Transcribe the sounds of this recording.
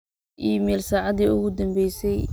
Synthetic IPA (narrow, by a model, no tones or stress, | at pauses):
ʔiːmɛːlsaːʕɑðiːʊɣʊd̪ɐmbɛjsɛj